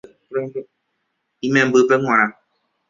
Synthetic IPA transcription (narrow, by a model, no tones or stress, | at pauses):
imɛ̃bəpɛŋɔ̃ɾã